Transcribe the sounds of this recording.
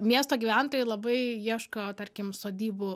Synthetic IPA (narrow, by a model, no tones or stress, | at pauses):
mʲiɛst̪oːɡʲiːʋʲænt̪oːjɪlˠɐbɐɪjiɛʃkot̪ɐɾʲkʲɪmsoːd̪ʲiːbʊ